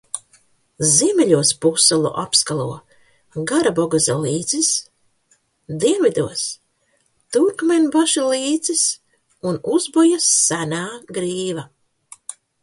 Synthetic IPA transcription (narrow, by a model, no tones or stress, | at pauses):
ziɛmɛʎʲuɔspusalˠṵʔapskalˠuɔ | ɡaɾabɔɡazʲalˠiːd̪z̥is | d̪iɛnvʲid̪uɔs | t̪uɾkmʲenʲbaʃiliːd̪zis | unuzbɔjasːænaːɡɾiːva